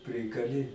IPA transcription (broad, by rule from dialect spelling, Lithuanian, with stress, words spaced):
ˈpʲrʲɪkɐlʲɪ